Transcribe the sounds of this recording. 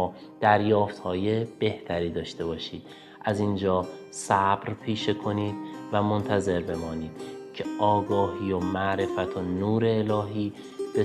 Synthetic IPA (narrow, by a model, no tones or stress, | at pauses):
d̪̥æɾjɒːft̪hɒːje̞b̥e̞ht̪ʰæɾiːd̪ɒːʃt̪e̞bɒːʃiːd̪̚ | ʔæzind͡ʒɒː | sæbɾpʰiːʃekʰo̞niːd̪̥̚væmo̞nt̪ʰæze̞ɾbe̞mɒːniːd̪̥cʰeʔɒːɡɒːɦiːjomæʔɾe̞fæt̪ʰonuːɾe̞ːlɒːɦiː | b̥e